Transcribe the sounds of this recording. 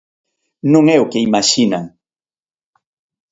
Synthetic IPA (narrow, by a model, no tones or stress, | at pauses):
nʊŋewkɪɪmaʃɪnaŋ